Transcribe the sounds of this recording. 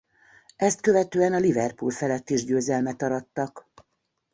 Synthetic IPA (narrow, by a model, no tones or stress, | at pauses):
ɛst̪kø̞vɛt̪øːɛnɒlivɛrpṵlfɛlɛt̪ːiʒɟøːzɛlmɛt̪ɒɾɒt̪ːɒk